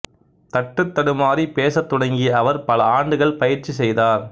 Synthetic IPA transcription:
t̪ɐʈːɯt̪ːɐɽɯmaːɾipeːsɐt̪ːʊɽɐŋɡiɐʋɐɾpɐlɐaːɳɖɯɣɐɭpɐjɪɾt͡ʃisɛjðaːɾ

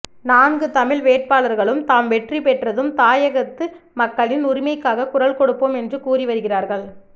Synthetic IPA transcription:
naːnɡɯt̪ɐmɪlʋeːʈ̚paːɭɐɾɣɐɭɯmt̪aːmʋɛʈripɛʈrɐðɯmt̪aːjɐɣɐt̪ːɯmɐkːɐɭɪnʊɾɪmɐɪkːaːɣɐkʊrɐɭkɔɽɯpːoːmɛndrɯkuːriʋɐɾɯɣɪraːɾɣɐɭ

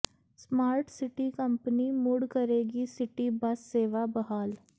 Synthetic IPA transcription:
smaːɾʈsɪʈikɐ̃mpnimuːɽkɐɾeːɡisɪʈibɐsːeːʋabɐɦaːl

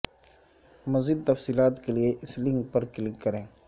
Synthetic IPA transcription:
mɐziːd̪̚t̪ɐfsiːlaːt̪kelieʔɪslɪ̃ŋɡpɐɾkɪlɪkːɐɾẽː

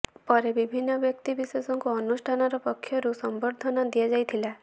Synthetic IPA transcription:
pɔɾebibʱinːɔbjɔkt̪ibisesɔŋkuɔnusʈʰanɔɾɔpɔkʰːjɔɾusɔmbɔɾd̪ʱɔnad̪ijad͡ʒajt̪ʰila

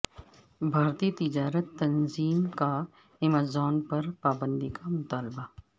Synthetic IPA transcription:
bʱaːɾt̪iːt̪ɪd͡ʒaːɾət̪ːɐnziːmka | ɛmaːzɔːnpɐɾpaːbə̃nd̪ikamʊt̪aːlba

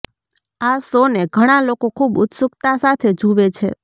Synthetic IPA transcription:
asoneɡʱəɽ̃alokokʰubʊ̰t̪sʊkt̪asat̪ʰed͡ʒuʋet͡ʃʰe

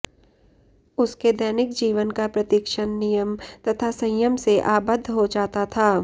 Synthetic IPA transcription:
ʊsked̪ɛːnɪkd͡ʒiːʋənkapɾɐt̪ɪkʃənːɪjəmt̪ɐt̪ʰasɐ̃jəmseʔaːbəd̪ʱːɦod͡ʒaːt̪at̪ʰaː

